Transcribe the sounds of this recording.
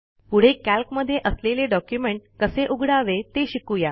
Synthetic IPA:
puɽ̤ekælkməd̪ʱːjeʔəsleleɖɔkjumeɳʈ̚kəseʔuɡɽaʋet̪eɕikuja

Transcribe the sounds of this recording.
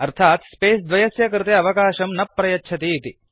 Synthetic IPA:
ɐɾt̪ʰaːt̪speːsd̪ʋɐjɐsjɐkɾɪt̪eɐʋɐkaːʃɐmnɐpːɾɐjɐːt͡ʃʰɐt̪iːt̪i

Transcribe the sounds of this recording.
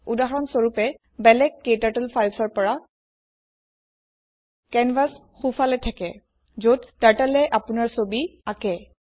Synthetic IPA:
udaɦɹɔnsoɹupɛ | bɛlɛkːetatɛlpʰajlsɔɹpɔɹa | kɛnbas | xufʰalɛtʰakɛ | zodtaɹtalɛʔapʊnaɹsobiakɛ

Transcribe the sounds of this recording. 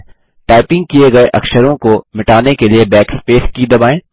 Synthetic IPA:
ʈaːɪpɪ̃ŋɡ̚kijeɡɐeʔɐ̰kʃəɾõkomɪʈaːnekeliebɛːkspeːskiːd̪ɐbaːẽː

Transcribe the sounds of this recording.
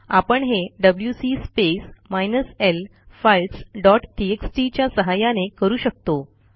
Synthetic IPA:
apəɳɦeɖəbljusispesmajnəsel | fajlʈsɖɔʈʈieksʈit͡ɕjasəɦajanekəɾuːɕək̚t̪o

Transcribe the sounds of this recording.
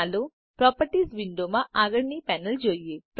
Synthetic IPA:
lo | pɾɔːpɐʈisʋiɳɖoːmaʔaɡɐɽnipɛːnɐld͡ʒojepɾ

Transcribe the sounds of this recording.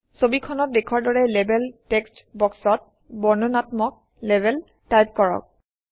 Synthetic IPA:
sobikʰɔnɔt̚dekʰwaɹdɔɹɛlebɛltɛkstbɔksɔt̚ | bɔɹnunatmɔk̚ | lebɛl | tajp̚kɔɹɔ̰k̚

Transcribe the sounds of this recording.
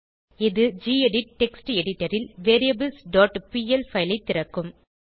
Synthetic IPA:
ɪðɯd͡ʒiːɛɽɪʈːɛksʈɛɽɪʈːɐɾɪlʋeːɾiɐbɪlsɖoːʈpiːɛlfɐɪlɐɪt̪ːɪɾɐkːɯm

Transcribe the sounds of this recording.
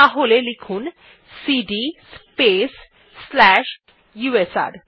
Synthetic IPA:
aɦolelikʰun | siɖispesː | lɛʃ | juesa̰ɾ

